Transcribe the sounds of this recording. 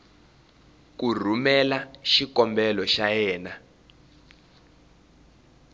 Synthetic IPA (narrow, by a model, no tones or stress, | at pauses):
kur̤umɛlaʃikɔmbɛlɔʃajɛːna